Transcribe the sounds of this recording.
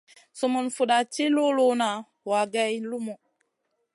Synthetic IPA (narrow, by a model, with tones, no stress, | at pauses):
so˨mo˨nfu˨ɗa˨t͡ʃi˦lo˦lo˦na˨ | wa˨ɡɛ˦jlu˦mo˨